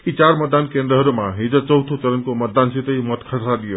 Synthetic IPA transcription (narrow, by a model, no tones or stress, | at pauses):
kit͡ʃaɾmət̪̚d̪ankẽnd̪ɾəɦəɾumãɦid͡zət͡ʃəwt̪ʰot͡ʃəɾənkomət̪̚d̪ansit̪əimət̪kʰəsaɗ̪ijo